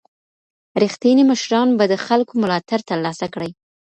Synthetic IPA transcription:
ɾixt̪iniməʃɾɑnbad̪əxalkomʊlɑt̪aɾt̪əɾlɑsakɽəj

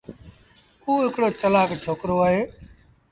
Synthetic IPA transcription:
uːɦɪkɽoːt͡ʃəlaːkt͡ʃʰoːkɾoːaːɦeː

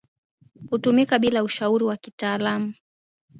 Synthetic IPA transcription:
hutumikaɓilauʃauɾiwakitaːlamu

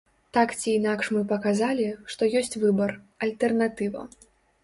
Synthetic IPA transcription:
t̪akt͡sʲiːnakʂmɨpɐkazalʲiʂt̪ɔjɔsʲt͡sʲvɨbɐr | ɐlʲt̪ɛrnat̪ɨvɐ̰

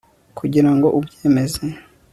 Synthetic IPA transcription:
kʰuɟiɾaŋɡo̞ʔubjeːme̞ze

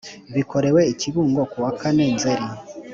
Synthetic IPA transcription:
βiko̞ɾe̞weiciβuːŋɡo̞kuwakanenzeɾi

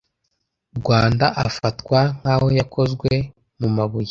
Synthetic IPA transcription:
bɡwaːndaʔafatkwaŋ̥haho̞jako̞zɡwe̞ | mumaβuje

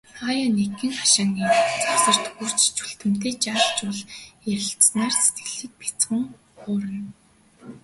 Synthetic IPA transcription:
χaːjanekːɘ̆ŋχḁʃaːŋiːt͡sawsə̆r̥t̪xur̥t͡ɕt͡ɕʰu̥ɬt̪ɘ̆m̥t̪ʰeːt͡ɕaːɮt͡ɕʊɮjæɾʲɪ̆ɬt̪snaːrse̥t̪̚ɡɘ̆ɮĭːk̚pi̥t͡sχə̆ŋ | χʊːɾə̆n

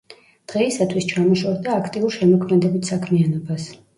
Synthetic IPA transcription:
d̪̥ʁɛisat̪ʰwist͡ʃʰamɔʃɔɾd̪aːkʰt̪ʼiuɾʃɛmɔkʰmɛd̪ɛbit̪ʰsakʰmianɔbas

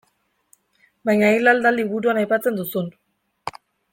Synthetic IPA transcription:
bajɲailald̪aliβuɾuanajpat͡se̞nd̪usun

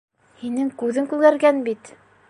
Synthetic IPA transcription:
hinɘŋkʉðɘŋkʉlɡæɾɡænbit̪

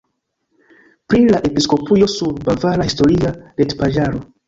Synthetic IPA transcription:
pɾilaʔe̞pisko̞pujo̞suɾbavaɾahisto̞ɾialetpad͡ʒaɾo

